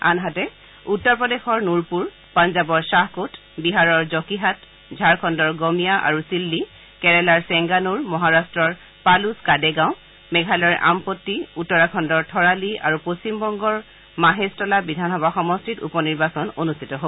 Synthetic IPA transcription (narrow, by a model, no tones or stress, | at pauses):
a̰nɦatɛ | utːɔɹpɔdexɔɹnuɹpuɹ | panzabɔɹsaɦkot | biɦaɹɔɹzɔkiɦat | zʱaɹkʰɔndɔɹɡomijaʔa̰ɹusilːi | kɛɹɛlaɹsɛŋɡanuɹmɔɦaɹastɹɔɹ | paluskadɛɡãʊ̃ | mɛɡʱalɔɹʔa̰mpotːiutːɔɹakʰɔndɔɹtʰɔɹalia̰ɹupost͡ʃimbɔŋɡɔɹ | maɦestɔlabidʱanɦɔbaxɔmɔstʰitṵpɔniɹbasɔnonustʰi̥tɔɦo